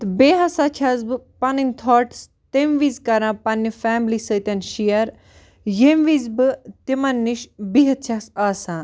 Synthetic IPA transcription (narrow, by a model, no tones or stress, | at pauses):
t̪beːɦɐsaːt͡ʃʰɐzbɨpɐninʲt̪ʰoːʈs | t̪emʋiːzkɐɾãːpɐnːifɛːmlisət̪ʲɐnʃijɐɾ | jemʋiːzbɨt̪imɐnːiʃbiɦɐt̪̚t͡ʃʰɐksaːsãː